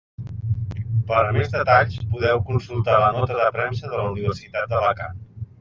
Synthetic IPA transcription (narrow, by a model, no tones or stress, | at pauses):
pəɾmezðət̪aʎspuðɛwkunsulˠt̪alənɔt̪əðəpɾɛmsəðələuniβ̞ərsit̪at̪̚d̪əβəka